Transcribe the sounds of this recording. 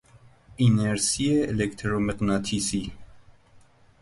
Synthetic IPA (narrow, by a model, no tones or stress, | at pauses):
inɛɾsiɛːlɛkt̪ʰɾɔmɛqnɑt̪ʰisi